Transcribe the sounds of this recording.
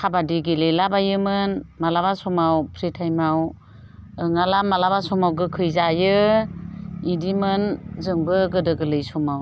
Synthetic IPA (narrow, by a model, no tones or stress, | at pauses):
kʰabadiɡilelabajɯmɯnmalabasɔmawpʰɾitʰajmaw | ɯŋalamalabasɔmawɡɯkʰɯjzajɯ | idimɯnzɯŋbɯɡɯdɯɡɯlɯjsɔmaw